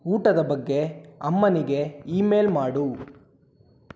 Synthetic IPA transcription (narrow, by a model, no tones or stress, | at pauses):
uːʈɐd̪ɐbɐɡːe̞ɐmːɐniɡe̞iːme̞ːlmaːɽu